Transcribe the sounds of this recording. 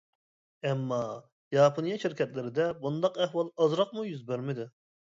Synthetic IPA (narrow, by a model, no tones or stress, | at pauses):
ɛmːɑ | jɑːpʰonijɑʃiɾkʲʰɛt̪lɪɾɪd̪ɛbund̪ɑqɛhwɑlˠɑzɾɑq̚mujyzbæɾmɪd̪ɪ